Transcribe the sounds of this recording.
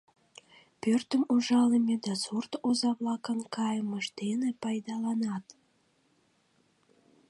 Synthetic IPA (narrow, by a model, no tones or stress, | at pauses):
pørt̪əmuʒɑlemʲed̪ɑsurt̪ozɑβlɑkənkɑjəməʃd̪enepɑjd̪ɑlɑnɑt̪